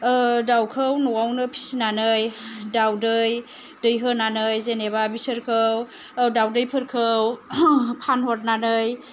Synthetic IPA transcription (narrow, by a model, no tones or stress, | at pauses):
dawkʰɯwnuawnɯpʰi̥sinanɯjdawdɯj | dɯjɦɯnanɯjzeneβabisɯɾkʰɯw | dawdɯjpʰɯɾkʰɯwpʰanɦɔt̚nanɯj